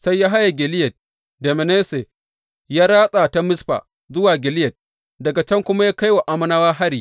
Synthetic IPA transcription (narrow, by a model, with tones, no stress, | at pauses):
sa˦jːaː˦ɦa˦ja˨ɡʲɪ˨lɪ˦jɐ˨t̚ | de˨me˨neː˦se˨ | jaː˦ɾaː˦sʼa˨ta˦mɪ˦sɸa̰ː˨ | zʊ˦waː˨ɡʲɪ˨lɪ˦jɐ˨t̚ | dɐ˨ɡa˨t͡ʃɐ˦ŋkʷʊ˦ma˦jaː˦ka˦jwa˨ʔa˦mɐ˦naː˦waː˦ɦa˦ɽiː˦˨